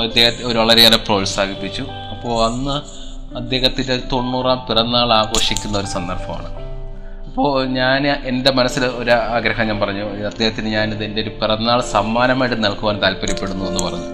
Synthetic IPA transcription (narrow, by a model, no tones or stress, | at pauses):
ɐd̪ːehɐoɾuʋɐɭɐɾeɐlepro̞ːlsaːɡʱipːit͡ɕːu | ɐpːo̞ːɐnːɨ | ɐd̪je̞ːhɐt̪ːindet̪o̞ɳːuːraːmpirɐnːaːɭaːɡo̞ːʂikʲːunːɐoɾusɐnd̪ɐrfɐma̰ːɳɨ | ɐpːo̞ːɲaːne̞nde̞mɐnɐsːilo̞ɾaːɡɾɐɦɐmɲaːnpɐrɐɲːuɐd̪ːehɐt̪ːinɨɲaːnðindeoɾupirɐnːaːɭsɐmːaːnɐmaːjʈːɨnɐɭkuʋaːnt̪aːlpɐɾɐpːe̞ɽunːuðe̞nːupɐrɐɲːu